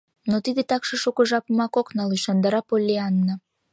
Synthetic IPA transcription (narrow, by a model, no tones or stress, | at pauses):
not̪id̪et̪ɑkʃɤʃukə̆ʒɑpmɑkoknɑluʃɑnd̪ɑɾɑpolʲːeɑnːɑ